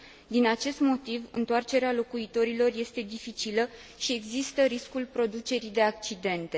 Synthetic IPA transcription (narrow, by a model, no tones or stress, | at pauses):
d̪inat͡ʃe̞st̪mo̞t̪ivɨnt̪oart͡ʃe̞ɾealo̞kuit̪o̞ɾilo̞rje̞st̪e̞d̪ifit͡ʃilə | ʃie̞ɡzist̪əɾiskulpɾo̞d̪ut͡ʃe̞ɾid̪e̞ak̚t͡ʃid̪e̞nt̪e̞